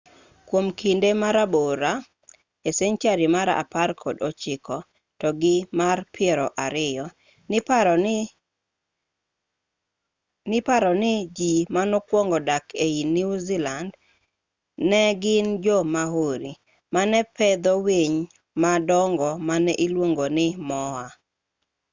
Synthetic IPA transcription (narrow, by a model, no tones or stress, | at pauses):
kwomkʰindemaɾaboɾa | eseɲt͡ʃaɾimaɾa̰parkʰɔ̰dɔt͡ʃɪkɔ | tɔɡɪmarpʰɪɾɔʔaɾɪjɔ | n | nɪpaɾɔnɪd͡ʒimanɔkwɔŋɡɔdakeiniuziland | nɛɡɪnd͡ʒɔmaɦoɾi | manɛpʰɛd̪ɔweɲ | madɔŋɡɔmanɛʔilwoŋɡonɪmɔa